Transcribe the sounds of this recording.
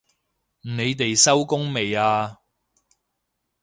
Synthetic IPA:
m̩˨˩ne˨˧jt̪e˨jsɐ˥wkʊ˥ŋme˨jaː˧

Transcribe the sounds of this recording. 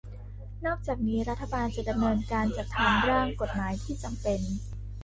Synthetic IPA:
nɔː˥˩k̚t͡ɕaː˨˩k̚niː˦˥ɾa˦˥t̪ʰːa˧baː˧nt͡ɕa˨˩da˧mnɤː˧nkaː˧nt͡ɕa˨˩k̚t̪ʰaː˩˦ŋɾaː˥˩ŋko˨˩t̪̚maː˩˦jt̪ʰiː˥˩t͡ɕa˧mpe˧n

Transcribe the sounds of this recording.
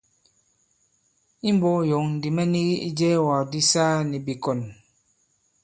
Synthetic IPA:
i˦m˦bɔ˦jɔ˨ŋn̩˨di˨mɛ˦ni˦ɣi˦i˦d͡ʒɛː˦wa˨di˦saː˦ni˨bi˨kɔ˨n

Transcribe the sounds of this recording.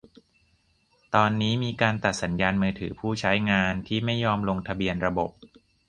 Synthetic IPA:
t̪ɔː˧nːiː˦˥miː˧kaː˧nt̪a˨˩t̪̚sa˩˦njaː˧nmɯː˧t̪ʰɯː˩˦pʰuː˥˩t͡ɕʰa˦˥jŋaː˧nt̪ʰiː˥˩ma˥˩jːɔː˧˥mlo˧ŋt̪ʰa˧bi˧ənɾa˧bo˨˩p̚

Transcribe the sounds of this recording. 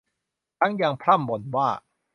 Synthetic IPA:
t̪ʰa˦˥ŋja˧ŋpʰɾa˥˩mbo˨˧nwaː˥˩

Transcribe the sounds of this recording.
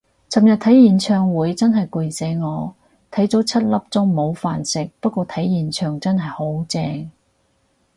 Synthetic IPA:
t͡sɐ˨mjɐ˨t̪ʰɐ˨˥jjiː˨˩nt͡ʃʰœː˨˧ŋwuː˨˧jt͡sɐ˥nɦɐ˨jku˨˧jse˨˥ŋɔː˨˧ | t̪ʰɐ˨˥jt͡so˨˥wt͡sʰɐ˥t̚lɐ˥p̚t͡sʊ˥ŋmo˨˧wfaː˨nsɪ˨k̚pɐ˥t̚kʷɔː˧t̪ʰɐ˨˥jːiː˨nt͡ʃʰœː˨˧ŋt͡sɐ˥nɦɐ˨jho˨˥wt͡sɛː˧ŋ

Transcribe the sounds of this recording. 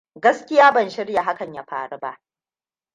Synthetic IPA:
ɡɐ˦skʲɪ˦jaː˦bɐ˨nʃɪ˦rja˨ɦa˦kɐ˨ɲjaː˦ɸa̰ː˨ɽu˦ba˦ʔ

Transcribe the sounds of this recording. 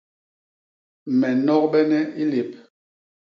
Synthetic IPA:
mɛ˨nɔ˦k̚bɛ˦nɛ˦i˦le˨p̚

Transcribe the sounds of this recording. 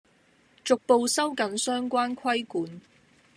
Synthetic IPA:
t͡sʊ˨k̚po˧wsɐ˥wkɐ˨˥nsœː˥ŋkʷaː˥nkʰwɐ˥jkuː˨˥n

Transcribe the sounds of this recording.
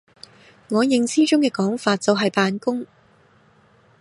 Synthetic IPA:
ŋɔː˨˧jɪ˨ŋt͡sʰiː˥t͡ʃʊ˥ŋkɛː˧kɔː˨˥ŋfaː˧t̚t͡sɐ˨˧wɦɐ˨jpaː˨˧nkʊ˥ŋ

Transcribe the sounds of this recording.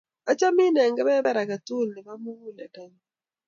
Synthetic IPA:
a˦t͡ʃa˦mi˦nɛ˨ŋɡɛ˦bɛ˦bɛ˦ɾa˨ka˨t̪u˦˨lnɪ˨ba˦mu˦wu˦lɛ˨ta˨˦ɲ˦

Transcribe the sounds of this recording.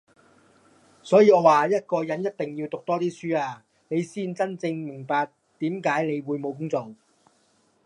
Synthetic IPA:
sɔː˨˥jiː˨˧ŋɔː˨˧waː˨jɐ˥t̚kɔː˧jɐ˨˥njɐ˥t̚t̪ɪ˨ŋjiː˧wt̪ʊ˨k̚t̪ɔː˥t̪iː˥syː˥aː˧ | ne˨˧jsiː˥nt͡sɐ˥nt͡sɪ˧ŋmɪ˨˩ŋpaː˨k̚ | t̪iː˨˥mkaː˨˥jne˨˧jwuː˨˧jmo˨˧wk̬ʊ˥ŋt͡sɔ˨˩ŋ

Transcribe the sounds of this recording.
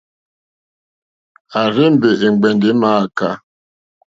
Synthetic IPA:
a˨ɾɪ˦m̩˦be˨ʔe˨ŋ͡m̩˨ɡ͡be˨n̩˨dɪ˦ma˦a˨ka˦

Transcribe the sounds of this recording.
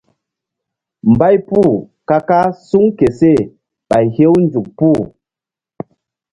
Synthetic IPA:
m̩˨ba˦jpu˦˨ | ka˦ka˦su˦ŋke˨se˦˨ | ɓa˨jhe˦wn̩˦d͡ʒu˨k̚pu˦˨

